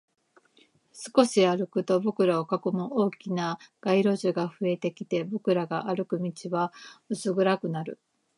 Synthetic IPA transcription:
sɨ̥ko̞ɕiaɾɯ̟kɯ̟t̪o̞bo̞kɯ̟ɾao̞kako̞mɯʔo̞ːkʲinaɡ̥aiɾo̞ʑɨɡaɸɯ̟e̞t̪e̞kʲit̪e̞bo̞kɯ̟ɾaɡaʔaɾɯ̟kɯ̟mʲit͡ɕiβaɯsɨɡɯ̟ɾakɯ̟naɾɯ̟

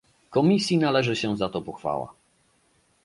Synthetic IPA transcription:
kɔmʲisʲjinalɛʐɘɕɛzat̪ɔpɔxfa̰wa̰

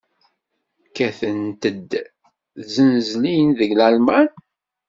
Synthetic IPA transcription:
kːæθənt̪əd̪ | zənzlijənðəɡlælmæn

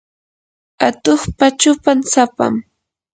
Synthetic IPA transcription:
at̪oχpat͡ʃʊpansapa̰m

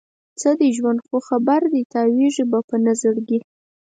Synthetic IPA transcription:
t͡səd̪eʒwand̪xoxabaɾd̪it̪aweʐibapənazəɽɡi

